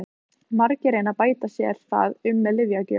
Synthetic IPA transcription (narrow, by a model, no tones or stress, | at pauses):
maɾcɪɾeːjnapaːjt̪asjɛ̰ɾ̥θa̰ːðʏmːɛðlɪvjacʏ̰